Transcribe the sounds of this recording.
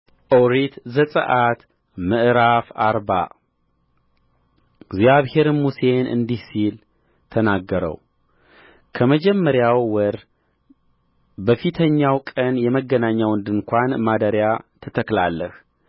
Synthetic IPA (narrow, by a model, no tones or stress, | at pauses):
ʔowɾit̪zəsʼə̰ʔat̪ | mɨʔɾafaɾba̰ | ɡzjaβhe̞ɾmuse̞nʔɨ̰nd̪ihsil | t̪ʰənaɡːəɾə̰w | kʰəməd͡ʒɛmːəɾjawːəɾ | bəfit̪ʰəɲːawkʼənjɛməɡːənaɲːawɨnd̪ɨŋkʷanmad̪əɾjat̪ʰət̪ʰəkla̰lːəh